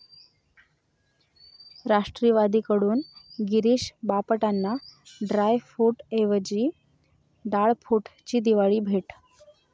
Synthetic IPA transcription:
ɾaʂʈɾiːʋad̪iːkəɽuːnɡiɾiɕbapəʈanːaɖɾajfuʈeʋəd͡ʑiː | ɖaɭpʰuʈt͡ɕiːd̪iʋaɭiːbʱeʈ

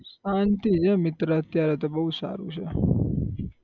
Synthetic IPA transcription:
ʃant̪it͡ʃʰemɪt̪ɾəət̪jaɾet̪əbəɦusa̰ɾṵt͡ʃʰe

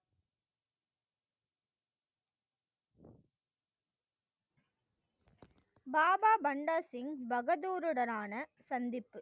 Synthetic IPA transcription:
baːbaːbɐɳɖaːsɪŋbɐɣɐðuːɾɯɽɐnaːnɐsɐnd̪ɪpːɯ

